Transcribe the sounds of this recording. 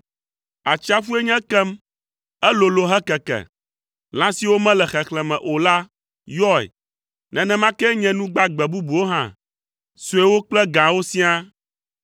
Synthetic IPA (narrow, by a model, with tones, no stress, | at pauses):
a˨t͡ʃi˦a˦fu˦e˦ɲɛ̃˦kɛ˦m | ɛ˦lo˨lo˨ɦɛ˦kɛ˨kɛ̰˨ | l̃ã˦si˨wo˦mɛ̃˦lɛ˨xɛ˨xlɛ˨mɛ̃˨ʔo˨la˦ | jɔ˦ɛ̰˨ | nɛ̃˨nɛ̃˦mã˦kɛ˦ɲɛ̃˦nũ˦ɡ͡ba˦ɡ͡bɛ˨bu˦bu˨wo˦ɦã̰˦˨ | su˨ɛ˦wo˦k͡plɛ˦ɡã˨wo˦sĩ˦a˦